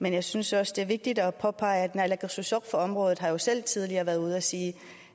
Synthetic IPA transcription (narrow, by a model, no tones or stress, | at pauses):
menjɑ̈ɪsynsɒ̽sd̥e̝æɐʋe̝ɡ̥̚d̥id̥ɒ̽pʰɒ̽pʰɑ̈ɪæd̥nælæɡ̥susɒɡ̥fɒ̽ɒ̽mʁɔ̽ːðð̩ˠɦɑ̈jo̝sel̰t͡sʰið̞ˠliɐːʋæɐðˠuð̞̩̰ˠæsiː